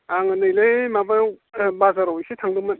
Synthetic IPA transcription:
aŋɯnɯjlejmabajwbazaɾowjsetʰaŋdɯmɯn

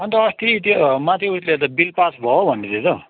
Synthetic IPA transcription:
ʌnt̪ʌːst̪it̪omat̪ʰiuslet̪̬ʌbilpasbʱʌobʱʌnːet̪et̪ʌ

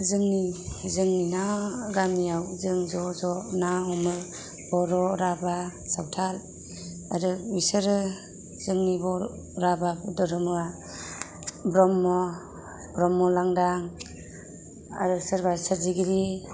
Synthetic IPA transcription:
zɯŋnizɯŋninaɾamiawzɯŋzɔzɔnaɦɔmɯ | b̥ɔɾɔɾabasawtʰal | a̰ɾɯisɯɾɯ | zɯŋnibɔ | ɾabadɔɾɯmɯa | bɾɔmːɔ | bɾɔmːɔlaŋdaŋ | a̰ɾɯsɯɾbasɯɾziɡiɾi

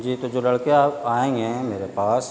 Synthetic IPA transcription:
d͡ʒiːt̪od͡ʒoːlɐɽkeaːpaːẽɡɛ̃meːɾepaːs

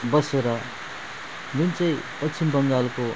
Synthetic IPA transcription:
bʌseɾʌ | d͡zunt͡sʌĩpʌt͡sʰimbʌŋɡalko

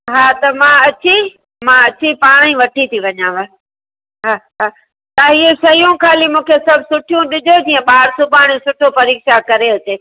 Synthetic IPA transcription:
ɦaːt̪ɐmãɐt͡ɕi | mãɐt͡ɕipaːɽ̃ĩʋɐʈʰit̪ʰiʋɐɲãːʋa | ɦaːɦaː | t̪aːiesɐjũkʰaːlimũːkʰesɐbʱsʊʈʰijũɗɪd͡ʑʱod͡ʑiːɐ̃ɓaːɽsũpaːɽ̃esʊʈʰopɐɾiːkʃakɐɾeʊt͡ɕeː

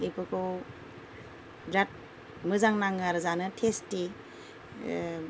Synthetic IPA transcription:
ipɯkʰɯw | bɾat̚ | mɯzaŋnaŋaɾzanɯtʰesti

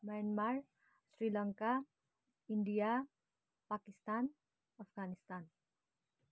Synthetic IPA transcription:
majanmar | srilʌŋka | iɳɖija | pakist̪an | ʌpʰɡanist̪an

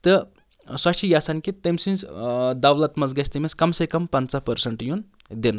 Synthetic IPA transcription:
t̪ɨ | swɐkt͡ʃʰijasɐnkit̪ɐmsĩnsd̪ɐwlɐt̪mɐzɡɐsʰʲt̪ɐmʲiskɐmsekɐmpɐnt͡sapɐɾsɐɳʈjun | d̪en

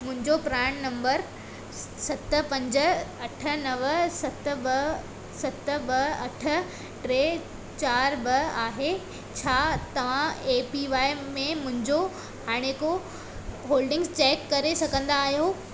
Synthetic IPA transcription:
mʊ̃ɦɪ̃ɲd͡ʑopɾaːɳnɐ̃mbəɾ | sɐt̪ə̆pɐ̃ɲd͡ʑə̆ɐʈʰə̆nɐʋəsɐt̪̆bɐ | sɐt̪ə̆bɐɐʈʰə̆ | ʈɾeː | t͡ɕaːɾbɐaːɦe | t͡ɕʰaːt̪ɐʋ̤ãeːpiʋaːɪmẽmʊ̃ɦɪ̃ɲd͡ʑo | haːɽ̃eko | ɦoːlɖɪ̃ŋst͡ɕɛːkːɐɾesɐɡʱə̃nd̪aːɦijo

